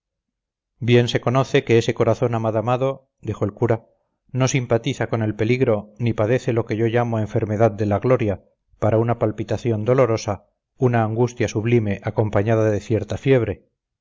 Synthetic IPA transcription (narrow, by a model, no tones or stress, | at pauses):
bje̞nse̞ko̞no̞θe̞ke̞ese̞ko̞ɾaθo̞namaðamaðo̞ | d̪ixo̞elkuɾa | no̞simpat̪iθako̞ne̞lpe̞liɣɾo̞nipaðe̞θe̞lo̞ke̞ʝoʝamo̞e̞ɱfe̞ɾme̞ðaðd̪e̞laɣlo̞ɾja | paɾaunapalpit̪aθjo̞nd̪o̞lo̞ɾo̞sa | unaːŋɡust̪jasuβlime̞ʔako̞mpaɲaðaðe̞θje̞ɾt̪afje̞β̞ɾe̞